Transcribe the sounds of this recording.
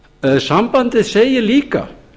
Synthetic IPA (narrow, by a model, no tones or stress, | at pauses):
sampant̪ɪðseːjɪliːka̰